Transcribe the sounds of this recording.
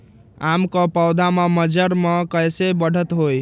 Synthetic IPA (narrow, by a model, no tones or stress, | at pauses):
amkəpəwd̪ʱameməd͡ʒəɾmekəjsebəɽ̤ət̪ɦoj